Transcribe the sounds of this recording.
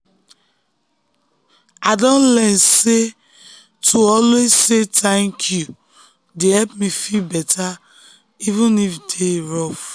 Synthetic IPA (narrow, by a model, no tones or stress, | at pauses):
adɔ̃nlɛnse | tʰuɔlwezsetɛ̃ŋkʰju | dehɛpmifilbɛtʰa | ivũnifitʰeɹɔf